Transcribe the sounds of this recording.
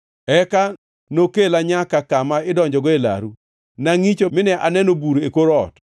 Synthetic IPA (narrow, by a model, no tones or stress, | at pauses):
ɛka | nokelaɲakakamaɪdɔɲd͡ʒɔɡɔela̰ɾu | naŋit͡ʃomɪnɛʔanɛnobuɾekoɾɔt